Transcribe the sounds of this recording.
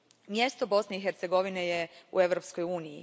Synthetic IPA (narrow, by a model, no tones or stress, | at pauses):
mje̞st̪o̞bo̞sne̞ixeɾt̪se̞ɡo̞ʋinejeṵe̞ʋɾo̞pskojuːnijḭ